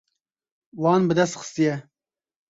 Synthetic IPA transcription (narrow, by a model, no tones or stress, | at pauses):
wɑːnbɨd̪ɛst̪xɨ̥st̪ijɛ